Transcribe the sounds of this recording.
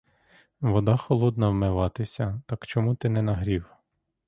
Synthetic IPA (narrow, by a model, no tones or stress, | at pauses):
ʋɔd̪ɑxɔlˠɔd̪nɐwmɪʋɑt̪ɪsʲɐt̪ɑkt͡ʃɔmut̪ɪnɛnɐɦɾʲiw